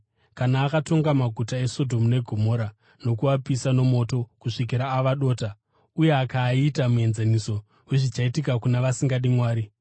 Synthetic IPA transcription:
kanaːkato̞ŋɡamaɡʱutae̞so̞dʱo̞mune̞ɡʱo̞mo̞ɾa | no̞kuapisano̞mo̞ːto̞kuʂik̬iɾaːʋaɗo̞ːta | uje̞akaːitamue̞nzaniso̞ | weʐit͡ʃaitikakunaʋasiŋɡaɗimwaːɾi

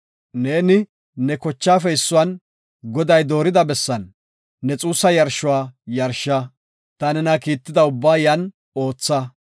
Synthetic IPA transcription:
ne̞ːnɪ | nɛkɔt͡ʃːaːfɛɪsːʊwɐn | ɡɔd̪ɐjd̪o̞ːɾɪd̪ɐbɛsːɐnː | ɛt͡sʼuːsːɐjɐɾʃːʊwaːjɐɾʃɐ | t̪ɐnɛnɐkiːt̪ːɪd̪ɐʊbːaːjɐn | o̞ːt͡sːɐ

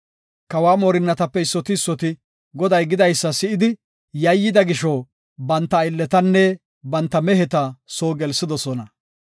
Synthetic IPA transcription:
kɐwaːmoːɾɪnːɐt̪ɐpːɛɪsːɔt̪ɪːsːɔt̪ɪ | ɡɔd̪ɐjɡɪd̪ɐjsːɐsɪʔɪd̪ɪ | jɐjːɪd̪ɐɡɪʃɔː | bɐnt̪ːɐɪlːɛt̪ɐnːɛ | bɐnt̪ːɐmɛɦɛt̪ɐsoːɡɛlsɪd̪ɔsɔnɐ

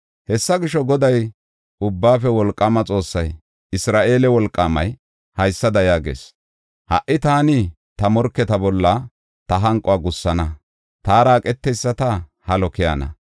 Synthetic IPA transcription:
hɛsːɐɡɪʃɔɡɔd̪ɐj | ʔʊbːaːfɛwɔlkʼːɐmɐt͡sʼo̞ːsːɐj | ɪsɾaːʔe̞ːlɛwɔlkʼːaːmɐj | hɐjsːɐd̪ɐjaːɡḛːs | hɐ̰ʔːɪt̪aːnɪ | t̪ɐmɔɾkːɛt̪ɐbɔlːɐ | t̪ɐɦɐŋkʼʊwaːɡʊsːɐnɐ | t̪aːɾaːkʼɛt̪ːɛjsːɐt̪ɐhɐlɔkɪja̰ːnɐ̰

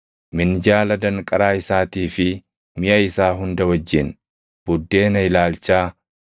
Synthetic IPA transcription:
mɪnd͡ʒaːlɐd̪ɐŋkʼɐɾaːɪsaːt̪iːfɪ | mɪʔɐɪsaːɦʊnd̪ɐwɐd͡ʒːɪn | b̥ʊd̪ːe̞ːnɐɪlaːlt͡ʃaː

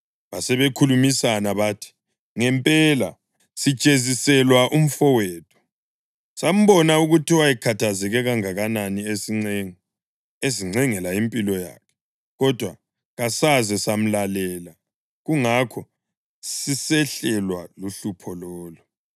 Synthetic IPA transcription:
βasɛβekʰulumisanaβaːtʰi̥ | ŋɛmpʼɛla | sid̥t͡ʃʼezisɛlwaʔum̩fɔwɛːtʰɔ̥ | sam̩βɔnauɣutiwajɛkʰatʰazɛɣɛɣaŋaɣananiesiŋ͡ǀeŋi | eziŋ͡ǀɛŋɛlaimpʼilɔja̰kʰɛ̥ | ɣɔd̥ʱwa | ɣasazɛsam̩lalɛːla | ɣuŋakʰɔ | sisɛɬɛlwaluɬupʰɔlɔːlu

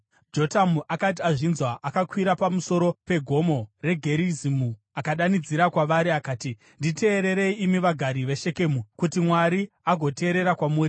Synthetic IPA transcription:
d͡ʒo̞tamuʔakat̬iaʐinzwaʔakakwiɾapamuso̞ɾo̞pe̞ɡʱo̞mo̞re̞ɡʱe̞ɾizimu | akaɗanid͡ziɾakwaʋaɾiakaːti | ndite̞ːɾe̞ɾe̞iimiʋaɡʱaɾiʋe̞ʃe̞ke̞ːmukutimwaɾi | aɡʱo̞te̞ːɾe̞ɾakwamuːɾi

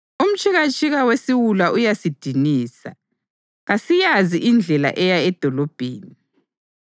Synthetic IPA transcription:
um̩t͡ʃʰʼiɣat͡ʃʼʰiɣawesiwulaʔujasid̥ʱiniːsa̰ | ɣasijaziʔind͡ɮʱɛla̰ʔɛjaɛd̥ʱɔlɔb̥ʱeːni

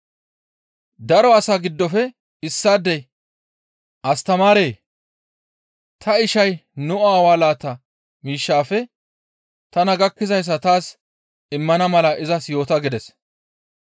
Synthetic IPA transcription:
d̪ɐɾɔɐsaːɡɪd̪ːɔfɛ | ɪsːaːd̪ːɛj | ʔɐst̪ɐmaːɾeː | t̪ʰɐɪʃɐjnʊaːwaːlaːt̪ːɐ | miːʃːaːfɛ | t̪ɐnɐɡɐkːɪzɐjs̬ːɐt̪aːs | ɪmːɐnɐmɐlɐʔɪzɐsjo̞ːt̪ɐɡɪd̪ɛs

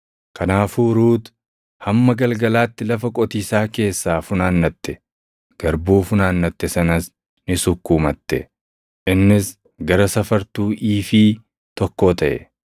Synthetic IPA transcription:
kʰɐnaːfuːɾuːt̪ | hɐmːɐɡɐlɡɐlaːt̪ːɪlɐfɐkʼɔt̪iːsaːke̞ːsːaːfʊnaːnːɐt̪ːɛ | ɡ̥ɐɾbuːfʊnaːnːɐt̪ːɛsɐnɐs | nɪsʊkːuːmɐt̪ːɛ̰ | ʔɪnːɪs | ɡɐɾɐsɐfɐɾt̪uːʔiːfiː | t̪ɔkːo̞ːt̪ɐʔɛ̰

